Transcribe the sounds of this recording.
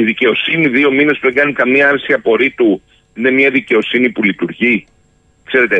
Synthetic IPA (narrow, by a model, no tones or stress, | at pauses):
iðice̞o̞siniðio̞mine̞spuðe̞ŋɡɐnikɐmiɐɐɾsiɐpo̞ɾit̪u | ine̞mɐðice̞o̞sinipulit̪uɾʝi | kse̞ɾe̞t̪e